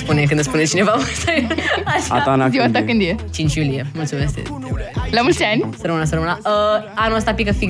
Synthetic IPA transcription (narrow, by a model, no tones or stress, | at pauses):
spunek̬ɨnd̪əspunet͡ɕinevamət̪əɡaɕaanaziwat̪akɨnd̪ijet͡ɕint͡ɕjulijeməlsumast̪ḛtlamulansəɾəmənas̬əɾəmənaəanəs̬t̪apikəfi